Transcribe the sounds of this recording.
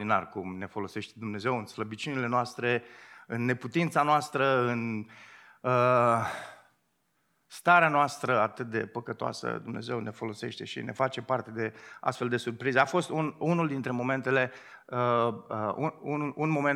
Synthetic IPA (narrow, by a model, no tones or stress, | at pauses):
ina̰rkumne̞fo̞lo̞se̞ʃt̪ed̪umne̞ze̞wɨnsləbit͡ʃunile̞noast̪ɾe̞ɨnːe̞put̪int̪sanoast̪ɾəɨn | ə | st̪aɾeanoast̪ɾəat̪ɨt̪̚d̪e̞pəkət̪oa̰sə̰d̪umne̞ze̞wne̞fo̞lo̞se̞ʃt̪e̞̰ʃḭnʔe̞̰fat͡ʃe̞part̪e̞d̪e̞a̰st̪fe̞ld̪e̞surpɾizeafo̞st̪ununuld̪int̪ɾe̞mo̞me̞nt̪e̞le̞əəṵununmo̞me